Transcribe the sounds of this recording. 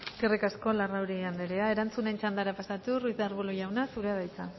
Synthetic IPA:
kerekasko̞larawɾiand̪eɾeae̞ɾant͡sune̞nt͡ʃand̪aɾapasat̪urujðaɾβuloʝawnasuɾeaβajt͡sa

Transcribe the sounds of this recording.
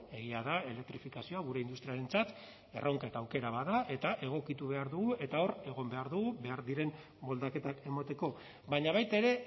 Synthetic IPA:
e̞ɣiaðae̞le̞k̚t̪ɾifikasio̞aɣ̞uɾe̞ind̪ust̪ɾiaɾe̞nt͡sat̪ | e̞̰rʔo̞ŋkaet̪aːwke̞ɾaβaðaʔe̞t̪aʔe̞ɣ̞o̞kit̪uβe̞aɾðuɣuʔe̞t̪ao̞re̞ɣ̞o̞mbe̞aɾðuɣuβe̞aɾðiɾe̞m | bo̞ld̪ake̞t̪ake̞mat̪e̞ko̞ | baɲaβ̞ajt̪aeɾe̞

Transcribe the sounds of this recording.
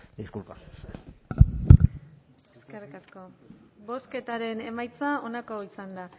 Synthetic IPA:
d̪iskulpass | eske̞rikasko̞bo̞ske̞t̪aɾe̞ne̞majt͡sao̞nako̞isand̪a

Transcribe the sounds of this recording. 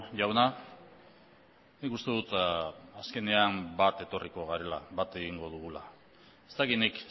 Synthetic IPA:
ʝawna | nikust̪e̞ðut̪aske̞ne̞ambat̪e̞t̪o̞riko̞ɣaɾe̞laβat̪e̞ɣ̞iŋɡo̞ð̞uɣ̞ula̰ | e̞st̪akinik

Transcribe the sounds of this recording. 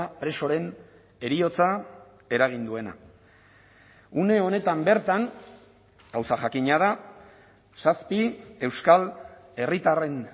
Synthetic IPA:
apɾe̞so̞ɾe̞n | e̞ɾio̞t͡sa | e̞ɾaɣ̞ind̪ue̞na̰ | une̞o̞ne̞t̪ambe̞ɾt̪aŋ | ɡ̥awsaʝakiɲað̞a | saspie̞wskale̞rit̪are̞n

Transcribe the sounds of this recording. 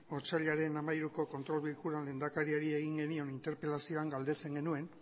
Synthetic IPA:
oɾt͡saʎaɾe̞namajɾuko̞ko̞nt̪ɾo̞lβilkuɾanle̞ːnd̪akaɾiaɾie̞ɣ̞iŋɡe̞nio̞nint̪e̞ɾpe̞lasio̞aŋɡald̪e̞t͡se̞ŋɡe̞nue̞n

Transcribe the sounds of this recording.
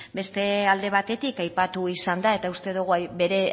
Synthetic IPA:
be̞st̪e̞ald̪e̞β̞at̪e̞t̪ikajpat̪uisand̪ae̞t̪aust̪e̞ðuɣ̞uajbe̞ɾe̞

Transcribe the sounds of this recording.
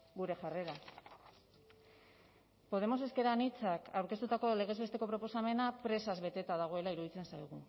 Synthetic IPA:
ɡuɾe̞ʝare̞ɾa | po̞ð̞e̞mo̞se̞ske̞ɾanit͡sakawɾke̞t̪ut̪ako̞le̞ɣ̞e̞zβe̞st̪eko̞pɾo̞po̞same̞napɾe̞sazβe̞t̪e̞t̪aðaɣ̞o̞e̞laiɾuðit͡se̞nsajɣ̞u

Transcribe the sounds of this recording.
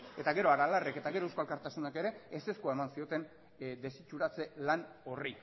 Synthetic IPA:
e̞t̪aɣe̞ɾo̞aɾalareke̞t̪aɣeɾoeskalkaɾt̪asunake̞ɾe̞ːse̞skuae̞mansio̞t̪e̞n | d̪e̞sit͡ʃuɾat͡se̞lano̞ri

